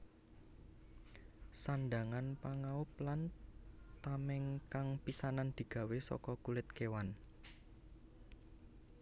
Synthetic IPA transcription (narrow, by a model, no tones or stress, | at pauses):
sanɖ̪aŋanpaŋaʊp̚lant̪amɛŋkaŋpisanand̪̥i̤ɡ̥ä̤wesɔ̰kɔkulɪt̪kewan